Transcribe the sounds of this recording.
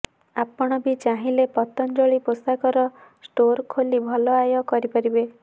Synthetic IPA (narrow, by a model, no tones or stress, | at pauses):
apɔɽ̃ɔbit͡ʃaɦĩlepɔt̪ɔnd͡ʒɔɭiposakɔɾɔsʈoɾkʰolibʱɔlɔajɔkɔɾipaɾibe